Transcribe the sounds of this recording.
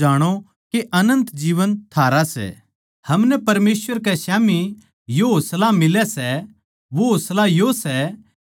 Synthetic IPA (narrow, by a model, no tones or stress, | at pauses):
aːɽ̃o | keʔɐnə̃nt̪d͡ʒiːʋənt̪ʰaːɾasɛ̰ | hɐmnɛpɐɾmeːsʋəɾk̬ɛʃaːmi | joɦoːslamɪlɛsɛ | ʋoɦoːslajosɛ